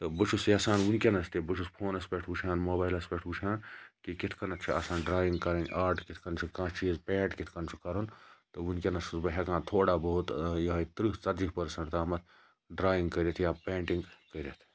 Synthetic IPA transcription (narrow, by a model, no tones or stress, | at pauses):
t̪ɐbɐt͡ʃʰusjaːsaːnunkʲenɐst̪ibɐt͡ʃʰuspʰoːnɐspeʈʰut͡ʃʰaːnmoːbaːjlɐspeʈʰut͡ʃʰãːnkikit̪ʰkɐnɐt̪̚t͡ʃʰia̰ːsãːnɖɾaːjĩŋɡkɐɾɐnʲʔaːɾʈkit̪ʰkɐnt͡ʃʰikãːt͡ʃʰizpeːʈkit̪ʰkɐnt͡ʃʰu̥kɐɾont̪ɐunkʲenɐsusbɐɦʲekãːt̪ʰoːɽaːbɐɦut̪jɐɦit̪ɾit͡sɐt̪d͡ʒiɦpɐɾsɐ̃ɳʈt̪aːmɐt̪ʰ | ɖɾaːjĩŋɡkəɾet̪ʰjaːpẽːɳʈiŋɡkəɾʲet̪ʰ